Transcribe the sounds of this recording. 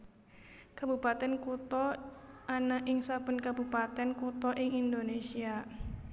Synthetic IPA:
kabupat̪ɛnkut̪ɔanaʔɪŋsapʊnkabupat̪ɛnkut̪ɔʔɪŋind̪onesia

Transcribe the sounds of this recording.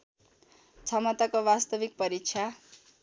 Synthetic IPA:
t͡sʰʌmʌt̪akobast̪ʌbik̚pʌɾik̚t͡sʰa

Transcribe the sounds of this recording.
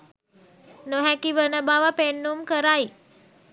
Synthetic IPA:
noɦɛ̃kiʋənəbaʋapeɳːumkəɾai

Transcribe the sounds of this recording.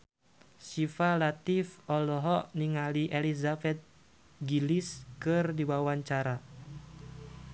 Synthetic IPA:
sifalat̪ifɔlɔɦɔʔniŋaliʔelizabɛt̪̚ | ɡiliskɨrdiwawaɲt͡ʃaɾa

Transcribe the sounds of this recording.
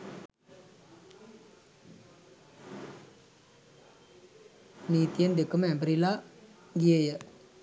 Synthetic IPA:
niːt̪ijənd̪ekəmɛbɾila | ɡijəjə

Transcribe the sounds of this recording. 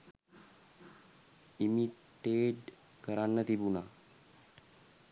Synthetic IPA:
ʔɪmɪt̪ːeːd | ɡɐɾaːnːɐt̪ɪbʊnɐ

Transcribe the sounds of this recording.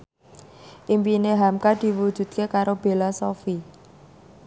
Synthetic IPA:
ʔimpineɦamkad̪̥i̤wud̥d͡ʒ̥ṳt̪̚kekaɾob̥e̤lasɔfi

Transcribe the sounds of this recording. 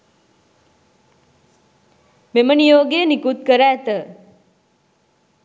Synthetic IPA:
memənijoːɡeːnikut̪̚kəɾæːt̪ə

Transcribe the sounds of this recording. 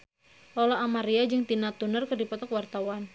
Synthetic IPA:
lɔlaʔamaɾiad͡ʒɨŋt̪inat̪unərkɨrdipɔt̪ɔkwart̪awan

